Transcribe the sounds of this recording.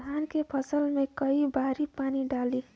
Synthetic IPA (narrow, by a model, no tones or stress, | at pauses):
aːnkepʰəsəlmẽkəibaːɾipaːniɖaːli